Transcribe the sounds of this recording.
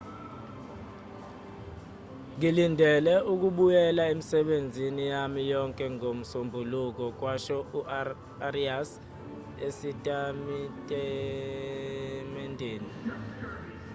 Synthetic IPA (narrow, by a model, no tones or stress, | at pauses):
ŋilindʱɛlɛuk̬uɓujɛlaemisɛɓend͡zʱinijamijɔŋkʼɛŋom̩sombʱuluk̬ɔk̬waʃɔuʔ | arias | esitʼamitʼɛ | mɛndʱeːni